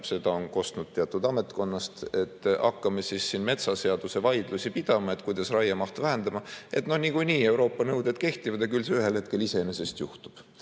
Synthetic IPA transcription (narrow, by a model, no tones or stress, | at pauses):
se̞d̪ɑonko̞st̪nud̪̥̚t̪ːeɑt̪ːˑud̪̥ɑme̞t̪ko̞nːɑst̪e̞t̪ːɑ̰kːɑmesisːiːnme̞t̪sɑse̞ɑd̪̥use̞vɑjd̪̥lusipid̪̥ɑmɑe̞t̪kujd̪̥ɑsrɑjɑmɑht̪væɦend̪ɑmɑʔe̞t̪no̞hnikujniːe̞wɾo̞ːpːˑɑnɤwd̪ed̪̚ke̞ht̪ivɑd̪ekylseyɦe̞lhe̞t̪ke̞lise̞nese̞st̪juht̪u̥b̥